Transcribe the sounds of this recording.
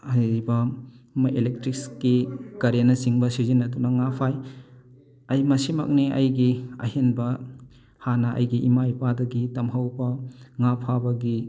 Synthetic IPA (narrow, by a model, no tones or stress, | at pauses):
ɐjɾibɐ | mɐʔelek̚tɾik̚skikɐɾenɐsiŋbɐsizinːɐtunɐŋapʰaj | ɐjmɐsimɐ̰k̚niɐ̰jɡiɐ̰ɦenbɐ | hanɐʔɐ̰jɡiʔimajpadɐɡitɐmɦɐwbɐŋapʰabɐɡi